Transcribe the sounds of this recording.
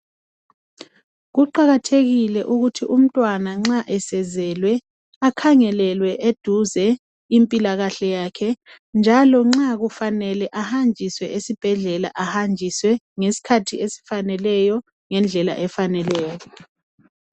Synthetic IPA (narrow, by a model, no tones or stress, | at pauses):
ɣuǃaɣatʰeɣilɛʔuɣutʰiʔum̩tʼwanaŋ͡ǁaʔɛsɛzɛlwɛ | akʰaŋɛlɛlwɛʔed̥ʱuzɛ | impʼilaɣaɬɛjaːkʰɛ | nd͡ʒʱalɔŋ͡ǁaɣufanɛlɛʔahand͡ʒʱiswɛʔesib̥ʱɛɮɛla̰ʔahand͡ʒʱiswɛ | ŋesi̥kʰatʰiesi̥fanɛlɛjɔ | ŋɛnd͡ɮʱɛla̰ʔɛfanɛlɛːjɔ